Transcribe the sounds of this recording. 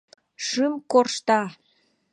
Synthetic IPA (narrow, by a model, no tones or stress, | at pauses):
ʃɨmkorʃt̪ɑ